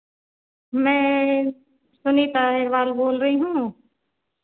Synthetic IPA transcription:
mɛ̃ː | sʊnit̪aːɦɪɾʋaːlboːlɾəɦiɦũː

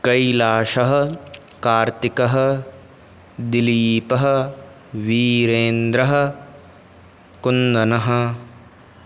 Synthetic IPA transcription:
kɐjlaːʃɐɦɐ̆kaːɾt̪ikɐɦɐ̆ | d̪iliːpɐɦɐ̆ | ʋiːɾeːnd̪ɾɐɦɐ̆ | kund̪ɐnɐɦɐ̆

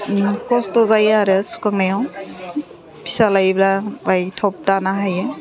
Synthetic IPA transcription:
kɔstɔzajaɾɯsu̥kaŋnajɔw | pi̥salajiblabajtʰɔp̚tanaɦajɛ

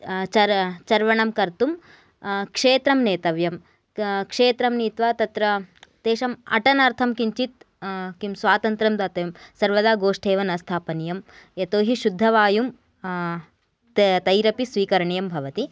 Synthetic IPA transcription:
t͡ʃɐt͡ʃɐɾʋɐɳɐmkɐɾt̪um | kʂeːt̪ɾɐmneːt̪ɐʋjɐm | kʂeːt̪ɾɐmniːt̪ʋaːt̪ɐt̪ɾɐt̪eːʃɐmɐ̰ʈɐnɐɾt̪ʰɐmkiɲt͡ʃit̪ | kimsʋaːt̪ɐnt̪ɾɐmd̪aːt̪ɐjɐmsɐɾʋɐd̪aːɡoːʂʈʰeːʋɐnɐst̪ʰaːpɐnijɐmet̪oːɦiʃud̪ʱːɐʋaːjum | t̪ɐjɾɐpisʋiːkɐɾɐɳjɐmbʱɐʋɐt̪i

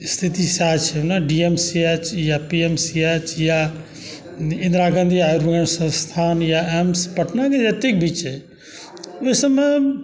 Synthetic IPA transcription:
st̪ʰit̪isat͡ʃʰenaɖiemsiet͡ʃjapiemsiet͡ʃja | ɪ̃nd̪ɾaɡə̃nd̪ʱiauɾɡənsə̃st̪ʰaːnjaemspɐʈʰnaked͡ʒat̪ek̚bit͡ʃe | esəme

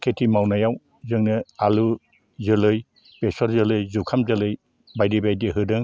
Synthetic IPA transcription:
kʰetʰimawnajaw | zɯŋnɯalu | zɯlɯj | pesɔɾzɯlɯjzukʰamzɯlɯj | bajdibajdiɦɯdɯŋ

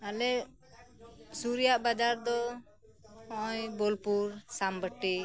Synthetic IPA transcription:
alɛ | suɾijaʔbad͡ʒaɾd̪ɔ | ɔʔɔjbɔlpuɾsambəʈi

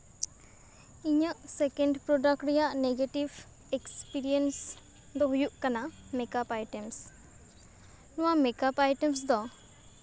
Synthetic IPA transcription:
iɲaʔsekenɖpɾɔdakɾijaʔneɡeʈib | ekspiɾiens | d̪ɔɦujuʔkanamekapajʈems | nɔwamekapajʈems̬d̪ɔ

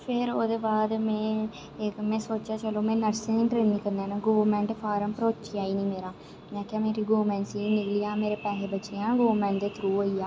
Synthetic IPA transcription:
pʰɪɾoːd̪eːbaːd̪mɛ̃ː | mɛ̃ːsoːt͡ʃaːt͡ʃəloːmɛ̃ːnəɾsẽːnĩːpɾeːniːkəɾnaːnaːɡoːmɛ̃ːɳʈpʰaːɾəmpɾoːt͡ʃijaːiːniːmeːɾaː | mɛ̃ːkaːmeːɾiːɡoːmɛ̃ːɳʈsiːnɪkliːaːmeːɾeːpɛːɦeːbət͡ʃejãːɡoːmɛ̃ːɳʈd̪eːt̪ʰɾuːɦoːiːaː

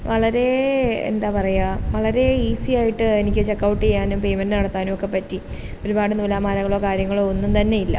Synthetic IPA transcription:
ʋɐɭɐɾe̞ḛnd̪aːpɐrɐjaʋɐɭɐɾe̞iːsijaːjiʈːɨenikʲːɨt͡ɕe̞kːɐwʈːɨkejaːnumpe̞jmɐndɨnɐɽɐt̪ːaːnumokːe̞pɐtːi | o̞ɾubaːɽɨnulaːmaːɾɐŋɣɐɭoːkaːɾjɐŋːɐɭoonːumt̪ɐnːe̞jilːɐ̰

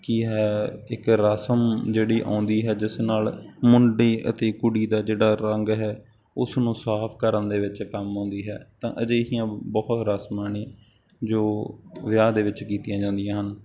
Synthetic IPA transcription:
kiɦɛːɪkɾaːsəmd͡ʒeːɽiːʔã̰ːnd̪iːɦɛːd͡ʒɪsnaːlmʊɳɖeːʔət̪eːkʊɽiːd̪aːd͡ʒeːɽaːɾəŋɡɦɛː | ʊsnũːsaːpʰkəɾənd̪eːʋɪt͡ʃkəmɦõːnd̪iːɦɛːt̪ãːʔəd͡ʒeːɦiːãːbɔːt̪ɾaːsmaːnĩː | d͡ʒoːʋɪjaːd̪eːʋɪt͡ʃkiːt̪ɪjãːd͡ʒãːnd̪ɪjãːɦən

